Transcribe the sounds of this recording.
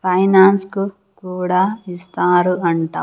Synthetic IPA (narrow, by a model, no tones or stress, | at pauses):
pʰɐjnaːnsku | kuːɽaːist̪aːɾuɐɳʈa̰ː